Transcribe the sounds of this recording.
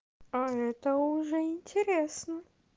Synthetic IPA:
aɛt̪əʊʐɛɪnʲtʲɪɾʲesnə

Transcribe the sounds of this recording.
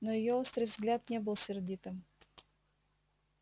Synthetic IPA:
nəjɪjoost̪ɾɨjvzɡlʲat̪nʲe̞bɨlˠsʲɪrdʲit̪ɨm

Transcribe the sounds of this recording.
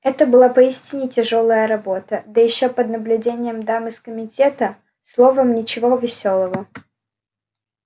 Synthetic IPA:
ɛt̪əbɨlˠapɐisʲtʲɪnʲɪtʲɪʐo̞lˠəjəɾɐbo̞t̪əd̪əjɪɕːopəd̪nəblʲʉdʲenʲɪjəmd̪amɨskəmʲɪtʲet̪ə | slˠovəmnʲɪt͡ɕɪvovʲɪsʲolˠəvə

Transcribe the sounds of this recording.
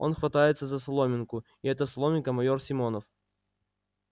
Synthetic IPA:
o̞̰nxvɐt̪ajɪt̪səzɐsɐlˠomʲɪnkʊ | ɪɛt̪əslˠomʲɪnkəmɐjo̞rsʲɪmʲo̞nəf

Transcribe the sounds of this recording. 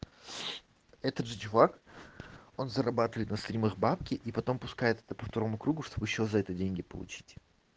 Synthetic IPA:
ɛt̪əd̪ʐɨt͡ɕʊvak | o̞nzəɾɐbat̪əvəɪt̪nəst̪ɾʲiməxbapkʲɪʔipɐt̪o̞mpʊskajɪt̪ɛ̥t̪əpəft̪ɐɾo̞mʊkɾuɡʊʂt̪o̞bɨɪɕːozɐɛt̪ədʲenʲɡʲɪpə̰lˠʊ̰t͡ɕi̥tʲ

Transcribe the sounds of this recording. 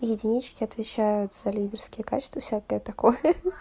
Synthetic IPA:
jɪdʲɪnʲit͡ɕɪ̥kʲɪɐt̪vʲɪt͡ɕæjʊt̪z̥ɐlʲidʲɪrskʲɪjəkat͡ɕɪ̥st̪vəfʲsʲakəjət̪ɐkojə

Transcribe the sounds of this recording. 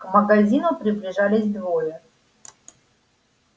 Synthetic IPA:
kmɐɡazʲinʊpɾʲɪblʲɪʐalʲɪzʲd̪vojɛ

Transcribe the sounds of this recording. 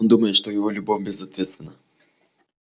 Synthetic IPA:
nd̪uməjɪt̪ʂt̪o̞jɪvo̞lʲʊbovʲbʲɪzɐt̪vʲet̪st̪vʲɪnːə

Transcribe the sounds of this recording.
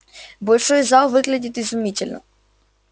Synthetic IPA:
bɔjʃɔjzɑlˠʋɪɣlʲɐdʲit̪ʲɾʲizʊmʲitʲilʲnɔ̰

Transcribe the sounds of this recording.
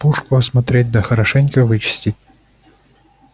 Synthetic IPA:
puʂkʊɐsmɐt̪ɾʲet̚ʲd̪ɐxɐɾɐʂɛnʲkəvɨt͡ɕɪ̥sʲtʲɪtʲ

